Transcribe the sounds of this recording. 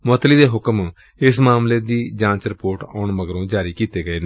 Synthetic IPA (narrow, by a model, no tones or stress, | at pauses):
mot̪liːd̪eːɦʊkəm | ɪsmaːmleːd̪iːd͡ʒãːt͡ʃɾɪpoːɾʈɔ̰ːɳməɡɾõːd͡ʒaːɾiːkiːt̪eːɡəeːn